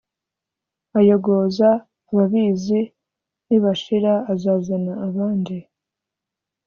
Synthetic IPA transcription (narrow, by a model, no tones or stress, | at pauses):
ajoɡo̞zaː | βaβizi | niβaʃiɾaːzazanaːβaːndi